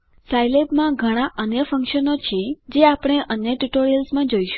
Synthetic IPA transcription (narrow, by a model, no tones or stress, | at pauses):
sajlebmãɡʱəɽ̃aʔənjəfə̃ŋkʃənot͡ʃʰed͡ʒeapɽ̃eʔənjəʈuʈoɾijəlsmãd͡ʒoiʃ